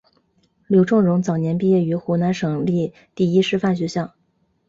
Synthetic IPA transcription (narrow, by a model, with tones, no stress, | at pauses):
ljo˧˥ʊʈ͡ʂʊ˥˩ŋɻʊ˧˥ŋt͡sɑ˨˩ʊnjɛ˧˥npi˥˧jɛ˥˩y˧˥xu˧˥na˧˥nʂɤ˨˩ŋli˥˧ | t̪i˥˩i˥ʂɻ̩˥˧fa˥˩nɕ̬ɥɛ˧˥ɕjɑ˥˩ʊ